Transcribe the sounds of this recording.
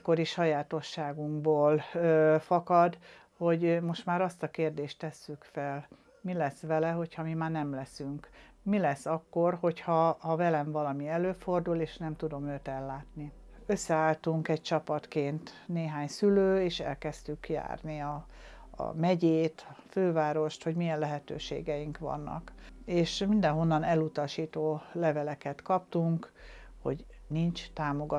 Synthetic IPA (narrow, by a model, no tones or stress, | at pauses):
kːo̞ɾiʃɒjaːt̪o̞ʃːaːɡuŋɡboːløfɒkɒd̪ | ho̞ɟmo̞ʃt̪maːɾɒst̪ɒkeːrd̪eːʃt̪ːɛsːykfɛl | milɛsʋɛlɛɦo̞chɒmimaːnɛmlɛsyŋkmilɛsːɒkːo̞rho̞chɒːvɛlɛɱvɒlɒmiɛløːfo̞rd̪uleːʃnɛmt̪ud̪o̞møːt̪ɛlːaːt̪ni | ø̞sːɛaːlt̪uŋkɛc̚t͡ʃɒpɒt̪keːnt̪ | neːɦaːɲsyløːeːʃɛ̰lkɛst̪ykja̰ːrniɒ̰ː | mɛɟeːt̪føːvaːɾo̞ʃt̪ho̞ɟmijɛnlɛɦɛt̪ø̰ːʃḛːɡɛjiŋkʋɒ̰nːɒ̰keːʃmind̪ɛnɦo̞nːɒnɛlut̪ɒʃiːt̪oːlɛvɛlɛkɛt̪kɒp̚t̪uŋkho̞̰ɟ | nint͡ʃt̪aːmo̞ɡɒ